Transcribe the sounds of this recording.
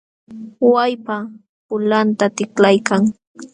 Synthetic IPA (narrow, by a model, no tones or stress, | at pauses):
wajpa | pʊlant̪at̪ɪklajkaŋ